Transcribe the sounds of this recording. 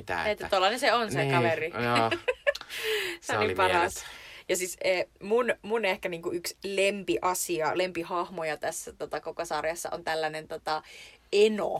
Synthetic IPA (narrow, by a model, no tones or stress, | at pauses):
t̪æ̰et̪ːæt̪uolːɑnenseonsekɑʋeri | seolipɑrɑsjɑsiseːmunmunehkæniːŋkuykslempiʔɑsiɑlempihɑhmojɑt̪æsːæt̪ot̪ɑkokosɑrjɑsːɑ̰ʔo̰nt̪ælːænent̪ot̪ɑeno̰